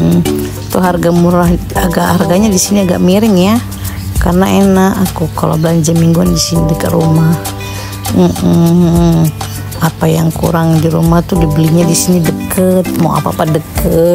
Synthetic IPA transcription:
t̪uɦarɡamuɾahaɡaʔharɡaɲadisiniaɡa̰ʔmiɾɪŋja | karnaenaakukalo̰bəlaɲd͡ʒamiŋɡuandisinidəkət̪rumah | m̩ | apajaŋkṵɾaŋdiɾumaht̪udibəlihɲadisinidəkət̪̚maa̰paapadəkə

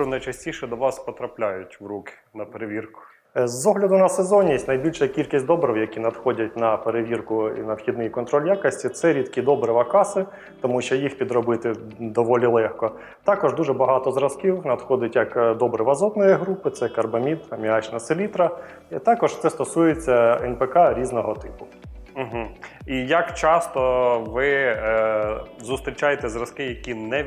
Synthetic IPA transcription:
nɐjt͡ʃɐsʲtʲiʃɛd̪ɔʋɑspɔt̪ɾɐplʲajʊtʲʋrukɪ̥ | nɐpeɾeʋʲirkʊ̥ | zːɔɦlʲɐd̪ʊnɐsezɔnʲjesʲtʲnɐjbʲilʲʃɐkʲilʲkʲisʲtʲd̪ɔbɾʲiwjɐkʲinɐd̪xɔdʲɐt̚ʲnɐpeɾeʋʲirkʊḭnɐwxʲid̪nɪjikɔnt̪ɾɔlʲjakɐsʲtʲit̪sɛɾʲid̪kʲid̪ɔbɾɪʋɐkɑsɪ | t̪ɔmuʃɔjixpʲid̪ɾɔbɪt̪ɪ | d̪ɔʋɔlʲilˠɛxkɔ | t̪ɑkɔʒd̪uʐɛbɐɦɑt̪ɔzɾɐskʲiwnɐd̪xɔd̪ɪtʲjɐkd̪ɔbɾɪʋɐzɔt̪nɔjiɦɾupɪt̪sɛkɐrbɐmʲid̪ɐmʲiɑt͡ʃnɐsɪlʲit̪ɾɐ | it̪ɑkɔʒt̪sɛst̪ɔsujet͡sʲːɐɛnpekɑɾʲiznɔɦɔt̪ɪpʊ̥ | m̩ɦ̩ijɐkt͡ʃɑst̪ɔʋɪ | zʊst̪ɾʲit͡ʃajet̪ɛzrɐskɪjɐkʲinɛ

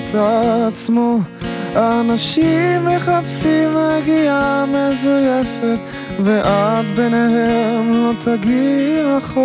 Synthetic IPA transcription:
t̪ʰat͡smo | anaʃimɛχapsimaɡiamɛzʊjɛfɛt | vɛʔatbɛnehɛmlot̪ʰaɡiaχ

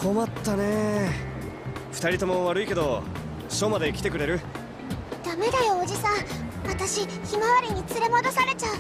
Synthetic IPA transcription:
kʰo̞mat̪ːane̞ | ɸɯ̟t̪aɾʲit̪o̞moβaɾɯ̟ike̞d̪o̞ | ɕo̞ːmad̪e̞kʲi̥t̪e̞kɯ̟ɾe̞ɾɯ̟ | d̪̥ame̞d̪ajo̞ːd͡ʑisãβat̪aɕiçimaβaɾʲiɲ̟it͡sɨɾe̞mo̞d̪o̞saɾe̞t͡ɕa

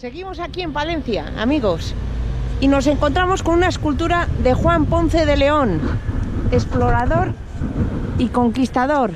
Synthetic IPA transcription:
se̞ɣimo̞sakie̞mpalẽ̞n̟θja̰a̰miɣo̞s | ino̞s̬e̞ŋkont̪ɾamo̞sko̞nunaeskult̪uɾaðe̞xwampo̞n̟θe̞ðe̞le̞o̞n | e̞splo̞ɾaðo̞ɾ | iko̞ŋkist̪að̞o̞ɾ

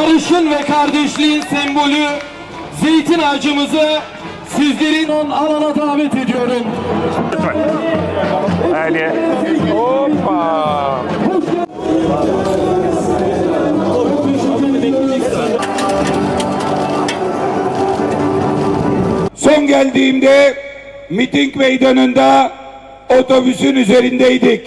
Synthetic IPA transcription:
aɾɯʃɯnvɛkʰaɾd̪ɛʃlʲiːsɛmbo̞lʲy | zejt̪ʰinad͡ʒɯmɯzɯ | sizlʲe̞ɾinonalanad̪aːvɛt̪e̞d̪ijo̞ɾun | so̞nɟælʲd̪iːmd̪ɛ | mit̪iŋcmejd̪anund̪a | ot̪ʰo̞vyzynyze̞ɾind̪ɛid̪ic

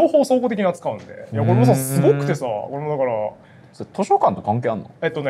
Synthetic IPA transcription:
ahosõŋkoːt̪ekʲiɲʲiat͡sɨ̥kaɯ̟̃nd̪e̞̰jakko̞ɾe̞mos̬asɨɡokɯ̟̥t̪e̞sa̰ko̞ɾe̞mod̪akɑɾa | sot̪o̞ɕo̞kãnt̪o̞kãŋk̬eːanːoet̪ːone

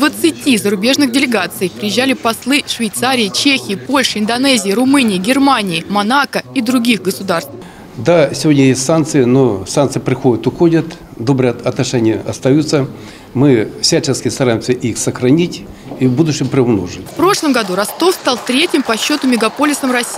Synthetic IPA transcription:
d̪vət̪sɨtʲizəɾʊbʲe̞ʐnɨɣdʲɪlʲɪɡat̪sɨjpɾʲɪjɪʑːalʲɪpɐslˠɨʂvʲɪjt̪saɾʲɪɪt͡ɕexʲɪːpo̞lʲʂɨɪnd̪ɐnɛzʲɪjiɾʊmɨnʲɪjɪɡʲɪrmanʲɪɪmɐnakəid̪ɾʊɡʲixɡəsʊd̪arst̪ | d̪asʲɪvʲo̞dʲnʲəjesʲsankt̪sɨjɪnosant̪sɨjɪpɾʲɪxodʲɪt̪ʊxodʲət̪d̪o̞bɾɨɐt̪nɐʂɛnʲɪjəʔɐst̪ɐjut̪sə | mɨfsʲat͡ɕɪnkʲɪst̪ɐɾajɪmsʲəʔixsəxɾɐnʲitʲ | ibud̪ʊɕɪmpɾʲɪʊmno̞̰ʐɨtʲffpɾo̞ʂlˠəmɡɐd̪uɾɐst̪o̞fst̪ɑlˠt̪ɾʲetʲɪmpɐɕːo̞t̪ʊmʲɪɡɐpo̞lʲɪsəmrɐsʲi

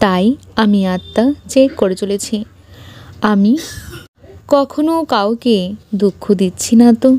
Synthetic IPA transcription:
t̪ajamiat̪ːad͡ʑekoɾet͡ɕolet͡ɕʰi | ami | kɔkʰonokawked̪ukʰːod̪it̪ːɕʰinat̪o

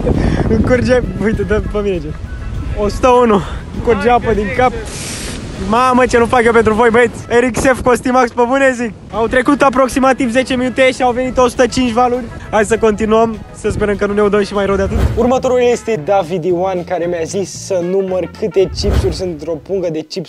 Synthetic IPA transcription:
ɨkurd͡ʒeujt̪əd̪əpəmined͡ʒe | osut̪əunuɨŋkurd͡ʒeapəd̪iŋkap̚ | mamət͡ʃenupakʲepe̞nt̪ɾuvo̞jbəit̪sʲeɾiksefkost̪imakspəbunezik̚ | awt̪ɾe̞kut̪ap̬ɾo̞ksimat̪ivze̞t͡ʃe̞minut̪eʃiawve̞nit̪osu̥t̪ət͡ʃint͡ʃʲvalurʲaj̪səko̞nt̪inuəm | səspeɾəmkənune̞ud̪əmʃimajɾəwd̪eat̪ɨt̪urmət̪o̞ɾulljest̪ed̪avid̪iwankaɾe̞mjazisːənumərkʰɨt̪e̞t͡ʃipsuɾʲsunt̪ɾo̞puŋɡəd̪e̞t͡ʃips

